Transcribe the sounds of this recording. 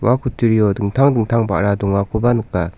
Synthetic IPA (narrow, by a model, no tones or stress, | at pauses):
wakʰutɯɾijɔdɯŋtʰaŋdɯŋtʰaŋba̰ʔɾadɔŋwakʰubanɯkːa